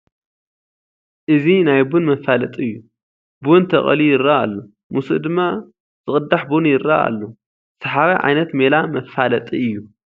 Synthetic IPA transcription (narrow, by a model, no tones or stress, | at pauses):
ʔɨzinajbunmɐfalɐt̪ʼiɨjːu | bnt̪ʰɐχʼɐ̰lijɪɾaa̰lːo | musṵd̪ɨmːa | z̥ɨχʼɨd̪ːaħbunjɪɾa̰ʔa̰lːo | sɐħaβajʕa̰jnɐt̪melamɐfalɐt̪ʼiɨjːu